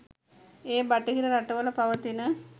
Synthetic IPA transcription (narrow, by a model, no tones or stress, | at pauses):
eːbɐʈːɐkiɾɐɾɐʈːɐʋɐlɐpɐʋɐt̪inɨ